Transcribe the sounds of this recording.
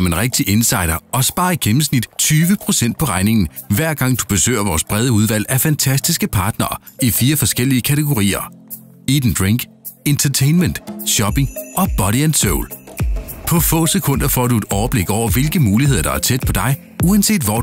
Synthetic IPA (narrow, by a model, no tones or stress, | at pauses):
ɒme̝nʁeɡ̥̚d̥iʔe̝nsɑ̈ɪɾ̥ɐɒ̽sb̥ɑ̈ːiɡ̥emm̩snid̥t͡sʰyːʋəpʰʁo̝sen̰d̥̚pʰɒ̽ʁɑ̈ɪne̝ŋn̩ʋæɐ̰ɡ̥ɑ̈ŋ̰d̥u̥b̥e̝sø̰ːɐʋɒːsb̥ʁɛð̞ˠəuð̞ˠʋæl̰æfænt͡sʰæsd̥isɡ̥əpʰɑ̈ːd̥nɐː | ifiːɐfɒ̽sɡ̥el̰iəkʰæt͡sʰeɡ̥o̝ʁḭːɐ | id̥n̩d̥ʁeŋɡ̥ | e̝nt͡sʰɐt͡sʰeɪnmend̥ɕɒ̽b̥e̝ŋʔɒ̽b̥ɒ̽ɾiænsoʊl | pʰɒ̽fɔ̰̽ːsekʰɔ̽n̰d̥ɐfɒ̰ːdue̝d̥ɒʊɐb̥le̝ɡ̥ɒʊ̰ɐʋe̝lɡ̥əmuːliheð̰ˠɐd̥ɑ̈æɐt͡sʰed̥̚pʰɒ̽d̥ɑ̈ɪ | uænse̝̰ːd̥ʋɒ